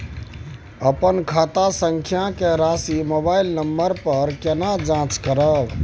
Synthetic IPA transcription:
əpənkʰat̪asəŋkʰjakeɾasimobailnəmbəɾpəɾkenad͡ʒãt͡ʃkəɾəb

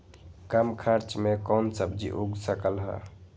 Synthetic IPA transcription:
kamkʰaɾt͡ʃmekɔnsəbd͡ʒḭʔoɡsəkəlɦə̰

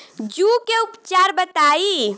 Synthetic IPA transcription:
d͡ʒukeupt͡ʃaɾbət̪ai

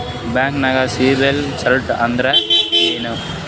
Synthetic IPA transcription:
baːŋknɐɡasiːbelt͡ʃɐlʈɐ̰nd̪ɾɐeːnu

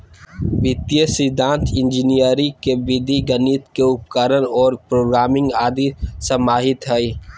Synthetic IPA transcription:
bɪt̪ijəsɪd̪ʱãːnt̪ʰɪ̃nd͡ʒɪnijəɾikebid̪ʱiɡəniːt̪keʊpkəɾənɔːɾpɾoːɡɾaːmɪ̃ŋɡaːd̪isəmaːɦɪt̪ɦɛi

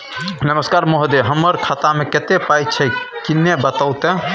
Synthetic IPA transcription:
nəməskaɾmoɦd̪eɦəmːəɾkʰat̪ameket̪epajt͡ʃʰɛkinːebət̪awt̪ẽ

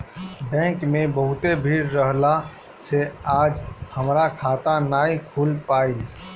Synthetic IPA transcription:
bɛ̃ːŋkmẽbəɦʊt̪ebʱiːɾːəɦla | seaːd͡ʒhəmɾakʰaːt̪anaːikʰulpaːil

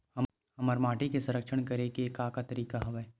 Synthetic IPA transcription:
hɐ | hɐməɾmaːʈikesɐ̃ɾəkʃəɽ̃kɐɾekieːkaːkat̪ɐɾiːkaɦɐʋɛː

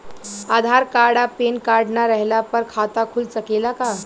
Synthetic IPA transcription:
ad̪ʱaɾkaɾɽapenkaɾɖnaɾəɦlapəɾkʰat̪akʰult͡səkelaka

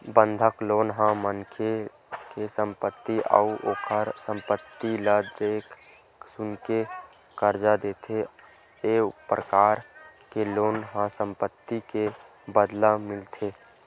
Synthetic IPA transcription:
bənd̪ʱəkloːnɦãmənkʰe | kesə̃mpət̪ːiʔə̰uʔoːkʰəɾsə̃mpət̪ːiləd̪eːkʰ | sʊnkekəɾd͡ʒad̪eːt̪ʰe | epɾəkaːɾkeloːnɦãsə̃mpət̪ːike | bəd̪lamɪlt̪ʰe

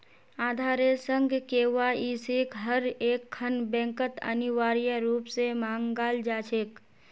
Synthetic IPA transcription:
aːd̪ʱaːɾesə̃ŋɡʱkeːwaːiseːkɦəɾeːkʰːənbɛ̃ːŋkət̪ə̰niʋaːɾijəɾuːpsemãːŋɡaːld͡ʒaːt͡ʃʰeːk

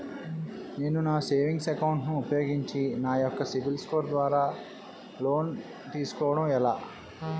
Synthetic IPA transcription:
ne̞ːnunaːse̞ːʋiŋɡsɛkɐwɳʈnuːpɐjo̞ːɡiɲt͡ʃinaːjɔkːɐsibilskoːɾd̪ʋaːɾaː | lo̞ːn | t̪iːsu̥kɔːʋɐɽɐmɛlaː

